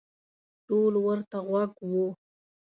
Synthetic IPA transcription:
ʈolwəɾt̪aɣwaɡwu

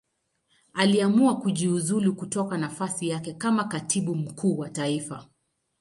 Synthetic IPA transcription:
aliamuakuʄiuzulukutɔkanafasijakɛkamakatʰiɓum̩kʰuːwataifa

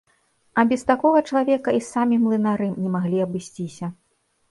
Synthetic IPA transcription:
ɐbʲɛst̪akɔɣɐt͡ʂɐlˠavʲɛkɐisamʲimlˠɨnaɾɨmnʲɛmaɣlʲiɐbɨsʲt͡sʲisʲɐ

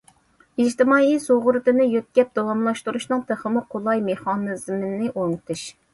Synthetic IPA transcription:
id͡ʒt̪ɨmɑːisoʁʊɾɨt̪ɨnɨjøt̪̚ɡʲɛp̚d̪̥ɑwɑmlˠɑʃt̪uɾuʃnɨŋt̪ʰəχəmʊqʰolˠɑjmeχɑnɨzmnɪʔoŋt̪ʰuʃ

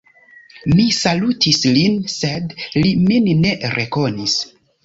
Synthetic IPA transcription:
misalutʰislinse̞dliminne̞ɾʔeko̞nis

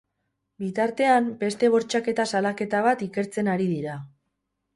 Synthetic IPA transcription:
bit̪aɾt̪e̞ambe̞st̪e̞β̞o̞ɾt͡ʃake̞t̪asalake̞t̪aβ̞at̪ike̞ɾt͡se̞naɾiðiɾa

